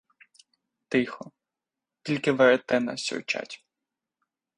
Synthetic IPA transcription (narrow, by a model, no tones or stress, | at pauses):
t̪ɪxɔ | tʲilʲkɪʋeɾet̪ɛnɐ̰sʲɔ̰wt͡ʃa̰tʲ